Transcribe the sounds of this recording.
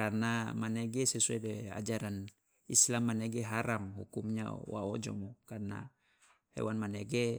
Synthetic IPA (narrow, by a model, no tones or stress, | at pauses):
arnamaneɡɛsɛsuɛdɛa̰d͡ʒaɾan | islamːaneɡeɦaɾamhṵkumɲa̰wa̰od͡ʒɔ̰mɔkarna̰ | hḛwanmaneɡe